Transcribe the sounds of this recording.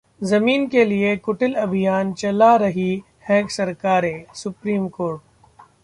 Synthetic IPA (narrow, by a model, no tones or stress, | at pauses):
zɐmiːnkeliekʊʈɪlɐbʱijaːnt͡ʃɐlaɾɐɦi | hɛ̃ːksɐɾkaːɾesʊpɾiːmkoːɾʈ̚